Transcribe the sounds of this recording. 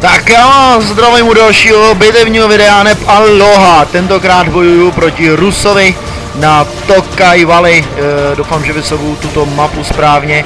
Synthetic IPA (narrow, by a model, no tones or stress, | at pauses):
t̪akjaːazd̪ɾavʊjɪmudalʃiːɦobɪt̪ɛvɲiːɦovɪdɛanɛpaloɦat̪ɛnt̪o̞kɾaːd̪bo̞jujupɾo̞cɪɾusovɪ | nat̪okajvalɪdowfaːmʒɛvɪsobuwt̪ut̪omapuspɾaːvɲɛ